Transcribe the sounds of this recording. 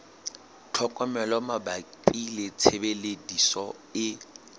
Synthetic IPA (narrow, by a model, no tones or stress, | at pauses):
tʰɔkʼɔmɛlɔmabaǃilɪt͡sʰebeledisɔ | ɪ